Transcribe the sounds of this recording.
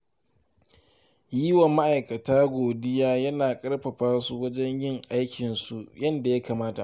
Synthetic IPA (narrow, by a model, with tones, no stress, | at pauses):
jiː˦wɐ˨mːa˦ʔa˨jkɐ˨taː˦ɡʷoː˨dɪ˦jaː˦jɐ˦naː˨kʼɐ˦rɸɐ˨ɸaː˦su˦wɐ˦d͡ʒɛ˦ɲjɪ˦˨ŋʔa˦jkʲɪ˨nsu˨jɐ˦nda˨ja˦kaː˨maː˦ta˨ʔ